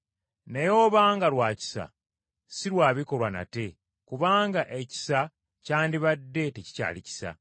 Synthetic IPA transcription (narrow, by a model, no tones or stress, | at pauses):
nejo̞ːβaːŋɡalwaːci̥sa̰ | siɾwaːβiko̞lwana̰te̞ | kuβaːŋɡaʔe̞ci̥sa | caːndiβadːe̞teci̥ca̰ːlici̥sa̰